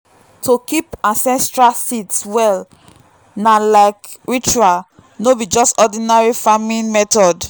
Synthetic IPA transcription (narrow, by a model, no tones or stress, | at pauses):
tokipãnsɛ̃stɹalsitswɛl | nalaɪkɹit͡ʃual | nobid͡ʒɔstɔdĩnaɹifamĩnmɛtɔd